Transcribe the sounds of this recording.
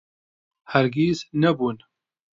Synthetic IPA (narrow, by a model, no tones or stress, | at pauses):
hæɾɡiznɛbuːn